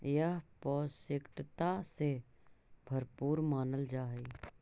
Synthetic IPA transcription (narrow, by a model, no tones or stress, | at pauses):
jəɦpɔːsɪkʈt̪ase | bʱəɾpuːɾmaːnəld͡ʒaːi